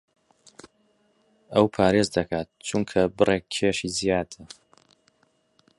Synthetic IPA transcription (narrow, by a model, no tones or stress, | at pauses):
ɐwpʰaːɾezd̪ɐkʰaːt̪̚t͡ʃʰuŋkʰɐbɨrʔekʰːeːʃizijaːd̪ɨ